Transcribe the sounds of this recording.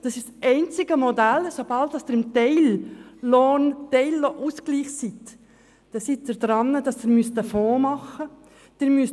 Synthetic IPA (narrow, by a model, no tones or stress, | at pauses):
d̥ɑsɪʃsʔɛɪnt͡sɪɡəmodælsob̥ɑlt̚d̥ɑsd̥ɪɾɪmtɛɪlː | oːntɛɪlːoʔusɡ̥liːχsit | d̥ɛsit̚ːɪɾd̥ɾɑnːəd̥ɑsd̥ɪɾmystəfoːmɑχə | d̥ɪɾmys